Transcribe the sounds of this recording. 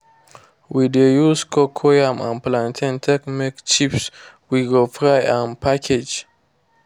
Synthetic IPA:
widejuskʰɔkʰojãmã̰nplãntʰĩntʰɛkmikt͡ʃips | wiɡofɹajãnpʰakʰed͡ʒ

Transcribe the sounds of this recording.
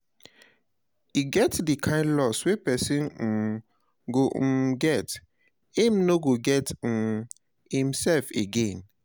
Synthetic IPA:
iɡɛtdikʰãɪ̃ndlɔswepɛsĩn | ɡoɡɛt | hĩmnoɡoɡɛt | hĩmsɛlfeɡẽn

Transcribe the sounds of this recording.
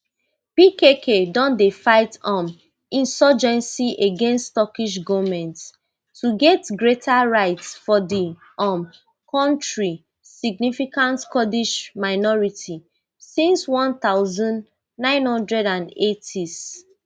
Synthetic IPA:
pikekʰedɔ̃ndefaɪtɔ̃m | ĩnsɔd͡ʒɛ̃nsiʔeɡɛ̃nsttɔkiʃ̬ɡɔmɛ̃nt | tːuɡɛtɡɹetʰaɹaɪtsfɔdi | ɔ̃m | kɔ̃ntɹi | siɡ̚nifikãntkɔdiʃmaɪnɔɹitʰi | sĩnswɔ̃nt̪aʊzɔ̃n | nãɪ̃nhɔ̃ndɹɛdãnetʰis

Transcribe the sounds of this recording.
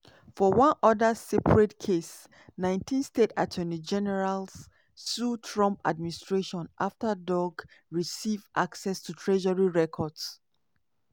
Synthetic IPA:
fɔwʌ̃nɔdəsɛpʰɹɛtkʰes | nãɪ̃ntʰĩnstetatʰɜnid͡ʒɛnɛɹals | sutʰɹɔ̃mpa̰d̚mĩnistɹeʃɔ̃nʔaftədɔɡɹisivʔaksɛstʰutʰɹɛʒəɹiɹɛkʰɔds

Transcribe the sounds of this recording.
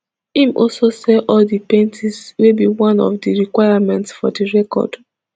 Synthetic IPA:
ĩmʔɔlsosɛʔɔldipẽntʰizwebiwãnɔ̰fdiɹikwaɪjamɛ̃ntsfɔdiɹɛkɔ̰d̥

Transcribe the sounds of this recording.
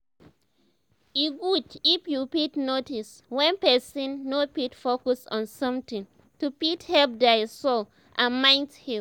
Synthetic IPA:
iɡudifjupitnotis | wɛ̃npɛsĩnːopitfokɔsɔ̃nsɔ̃mtĩŋ | tupithɛlp̚daɪsol | ʔãmãɪ̃nthĩ

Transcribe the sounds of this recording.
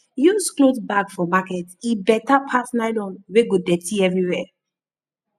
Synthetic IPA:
jusklotbaɡfɔmakɛtibɛtapʰasnaɪlɔ̃nweɡodɛtʰiɛvɹiwɛ

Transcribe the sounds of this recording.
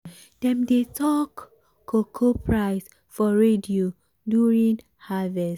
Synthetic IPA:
d̥ɛ̃mdetʰɔkːʰ | okʰopʰɹaɪs | fɔɹedio | duɹĩŋ | havɛs

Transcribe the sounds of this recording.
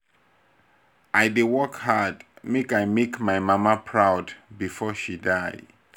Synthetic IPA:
ʔajdewɔkhadmekajmekmajmamapʰɹawdbifɔʃidaj

